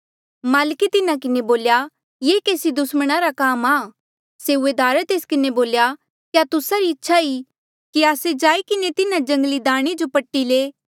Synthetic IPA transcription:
maːlkit̪ɪnakɪneboːlja | jeːkeːsid̪ʊsməɽ̃aɾakaːmaː | seʊeːd̪aːɾət̪eːskɪneboːlja | kjat̪ʊsaɾiɪtːʃʰaiː | kiaːsed͡ʒaːikɪnet̪ɪnãd͡ʒɐ̃ŋɡlid̪aːɽ̃ed͡ʒopɐʈːileː

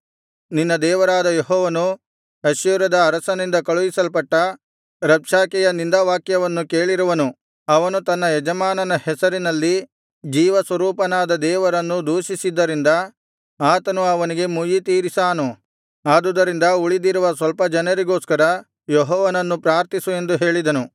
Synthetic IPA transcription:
ninːɐd̪ɛːʋɐɾaːd̪ɐjɔɦɔːʋɐnu | ɐʃjuːɾɐd̪ɐːɾɐsɐnind̪ɐkɐɭuʋisɐlpɐʈːɐ | ɾɐpʂaːkɛjɐnind̪aːʋaːkjɐʋɐnːuke̞ːɭiɾuʋɐnu | ɐʋɐnut̪ɐnːɐjɛd͡ʒɐmaːnɐnɐhɛsɐɾinɐlːi | d͡ʒiːʋɐsʋɐɾuːpɐnaːd̪ɐd̪ɛːʋɐɾɐnːud̪uːʃisid̪ːɐɾind̪ɐ | aːt̪ɐnuɐʋɐniɡe̞mujit̪iːɾisaːnu | aːd̪ud̪ɐɾind̪ɐuɭid̪iɾuʋɐsʋɐlpɐd͡ʒɐnɐɾiɡo̞ːskɐɾɐ | jɔɦɔːʋɐnɐnːupɾaːɾt̪isue̞nd̪uɦe̞ːɭid̪ɐnu

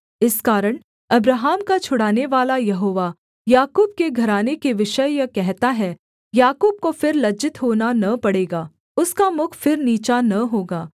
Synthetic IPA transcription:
ɪskaːɾəɽ̃ | ɐbɾaːɦaːmkat͡ʃʰʊɽaːneʋaːlajɐɦoːʋa | jaːkuːb̚keɡʱɐɾaːnekeʋɪʃəjjɐkɛɦt̪aɦɛ | jaːkuːb̚kofɪɾlɐd͡ʒɪt̪ɦoːnanɐpɐɽeːɡaː | ʊskamʊkʰfɪɾniːt͡ʃanɐɦoːɡaː

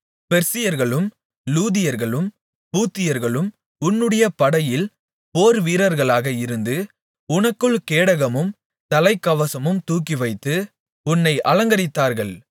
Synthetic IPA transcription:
pɛɾsɪjɐɾɣɐɭɯm | luːðɪjɐɾɣɐɭɯm | puːt̪ːɪjɐɾɣɐɭɯm | ʊnːɯɽɐjɐpɐɽɐjɪl | poːɾʋiːɾɐɾɣɐɭaːɣɐɪɾɯnd̪ɯ | ʊnɐkːɯɭkeːɽɐɣɐmɯm | t̪ɐlɐɪkːɐʋɐsɐmɯmt̪uːk̬ːɪʋɐɪt̪ːɯ | ʊnːɐɪʔɐlɐŋɡɐɾɪt̪ːaːɾɣɐɭ

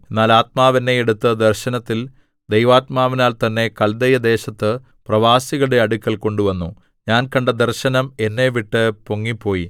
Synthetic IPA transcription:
e̞nːaːlaːt̪̚maːʋɐnːe̞ːɽut̪ːɨd̪ɐrɕɐnɐt̪ːil | d̪ejʋaːt̪̚maːʋinaːlt̪ɐnːe̞kɐld̪ɐjɐd̪e̞ːɕɐt̪ːɨ | prɐʋaːsiɣɐɭɽeɐɽukʲːɐlko̞ɳɖuʋɐnːu | ɲaːnkɐɳɖɐd̪ɐrɕɐnɐme̞nːe̞ʋiʈːɨpoŋːipːo̞ːji

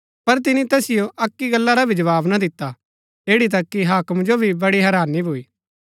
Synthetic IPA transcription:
pɐɾt̪ɪnit̪ɛːsɪjoʔɐkːiɡɐlːaɾabʱid͡ʒɐʋaːbnad̪ɪt̪ːa | eːɽit̪̬ɐkːiɦaːkəmd͡ʒobʱibɐɽiɦɛːɾaːnːibʱuiː

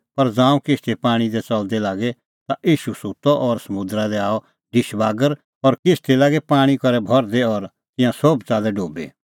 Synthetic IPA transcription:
pɐɾd͡zãːũkɪst̪ʰepaːɽ̃id̪ɛt͡sɐld̪ɛlaːɡɛ | t̪aʔiːʃusut̪ɔʔɔːɾsɐmʊ̃d̪ɾad̪ɛaːɔ | ɖɪʃbaːɡəɾ | ɔːɾkɪst̪ʰelaːɡɛpaːɽ̃ikɔɾɛbʱɔɾd̪ɛɔːɾ | t̪ɪ̃jãsobt͡saːlɛɖoːbḛ

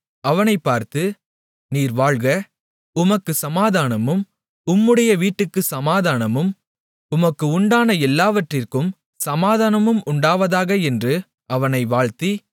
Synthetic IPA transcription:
ɐʋɐnɐɪpːaːɾt̪ɯ | niːɾʋaːɻɣɐ | ʊmɐkːɯsɐmaːðaːnɐmɯm | ʊmːɯɽɐjɐʋiːʈːɯkːɯsɐmaːðaːnɐmɯm | ʊmɐkːɯʊɳɖaːnɐɛlːaːʋɐʈrɪrkɯm | sɐmaːðaːnɐmɯmʊɳɖaːʋɐðaːɣɐɛndrɯ | ʔɐʋɐnɐɪʋaːɻt̪i

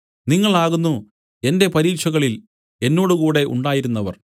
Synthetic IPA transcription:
niŋːɐɭaːɣunːu | e̞nde̞pɐɾiːkʂɐɣɐɭil | e̞nːo̞ːɽukuːɽe̞ʔṵɳɖaːjiɾunːɐʋɐ̰r

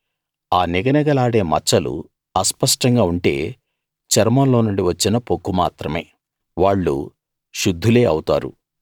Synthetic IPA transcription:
aːniɡɐnɐɡɐlaːɽe̞ːmɐt͡ʃːɐlṵ | ɐspɐʂʈɐŋɡaːuɳʈe̞̰ː | t͡ʃɐɾmɐlo̞ːnuɳɖiʋɐt͡ʃːinɐpokːuma̰ːt̪ɾɐme̞̰ː | ʋaːɭːṵ | ʃud̪ʱːule̞ːɐwut̪a̰ːɾṵ

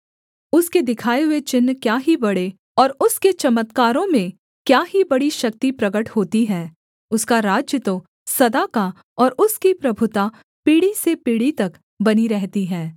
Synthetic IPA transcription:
ʊsked̪ɪkʰaːeɦʊet͡ʃɪnːkjaːɦibɐɽe | ɔːɾʊsket͡ʃɐmət̪kaːɾõmẽ | kjaːɦibɐɽiʃɐk̚t̪ipɾɐɡəʈhoːt̪iɦɛ̃ː | ʊskaɾaːd͡ʒjət̪o | sɐd̪aːka | ɔːɾʊskipɾɐbʱʊt̪a | piːɽisepiːɽit̪ɐk | bɐniɾɛɦt̪iɦɛ̃ː

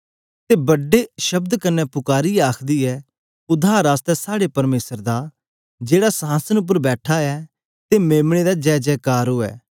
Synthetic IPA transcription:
t̪eːbɐɖeʃəbd̪kɐnːɛpʊkaːɾiaːkʰd̪iːɛː | ʊd̪ʱaːɾaːst̪ɛsaːɽepɐɾmeːsəɾd̪a | d͡ʒeːɽasəɦaːsənʊp̬ːəɾbɛːʈʰaɛː | t̪emeːmɽ̃ed̪ad͡ʒɛːd͡ʒɛːkaːɾɦoːɛ̰ː

